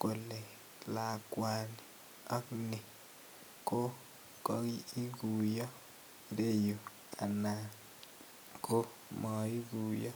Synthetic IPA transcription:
ko˨le˨ | la˨kwa˨ni | ɔ˦knɪ˨ | ko˦ | kɔ˦ɡi˦i˦ɡu˨jɔ˦ | i˨ɾe˦jo˨ | kʰa˨na˨ | ko˦ | mɔ˨i˦ɡu˨jɔ˦

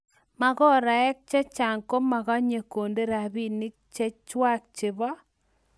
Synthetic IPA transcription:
ma˨ɣɔ˦ɾa˨ɛ˦k̚t͡ʃɛ˦t͡ʃa˨ŋko˦ma˨ɣa˦ɲe˨ko˨nde˦ɾa˨bi˦˨nɪ˦k̚t͡ʃɛ˦t͡ʃwa˦k̚t͡ʃɪ˨βɔ˦

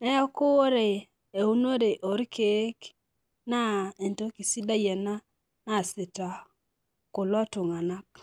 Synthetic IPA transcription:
ɛ˦ɔ˦kʊ˦ɾe˨ | e˨u˦no˦ɾe˨ʔo˨ɾke˨˦k | na˦e˨nto˦ki˨si˦da˦jɛ˨na˦ | na˦˨se˨ta˨ | ko˨lwa˦tʊ˨ŋa˨na˦k̚

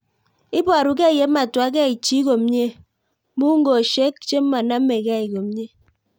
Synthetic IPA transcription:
i˦bɔ˨ɾu˨k̬e˦˨je˨˦ma˨twa˨˦k̬e˦˨i˨t͡ʃi˦ko˨m˦ɲe˦ | mu˦ŋ̩˦ɡo˨ʃe˦k̚t͡ʃe˦m̩˦ma˨na˦mː˦e˨ka˦˨i˨ko˨m˦ɲe˦

